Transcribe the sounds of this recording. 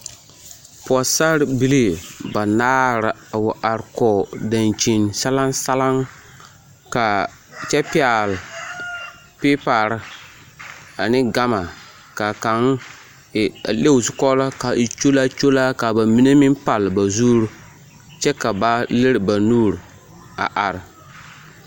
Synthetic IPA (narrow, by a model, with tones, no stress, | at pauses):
pa˨sa˦ɾbi˦li˦˨ba˨naː˦ɾɪ˨a˨wʊ˨ʔa˨ɾkɔ˨da˨nt͡ʃi˨nsa˦la˦nsa˦la˦ŋ | ka˨ | t͡ʃɛ˦pɪ˦a˨lɪ˨ | pe˦pa˨ɾɪ˦ | a˨nɪ˦ɡa˦ma˨ | ka˨ka˨ŋ˨ | le˦wsɪ˨kɔ˦la˦ka˨i˨t͡ʃo˦la˦t͡ʃo˦la˦ka˨ba˨mi˦ne˦mɪ˦mpa˨lba˨zuː˦ɾʊ˦ | t͡ʃɛ˦ka˨ba˦lɪ˦ɾɪ˨ba˨nuː˦ɾ | a̰˨ʔa˨ɾɪ˨